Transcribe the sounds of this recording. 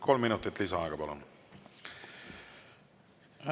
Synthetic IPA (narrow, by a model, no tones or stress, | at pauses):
kʰo̞lmːinut̪ːˑit̪ːˑlisɑɑ̰ekɑpɑlo̰n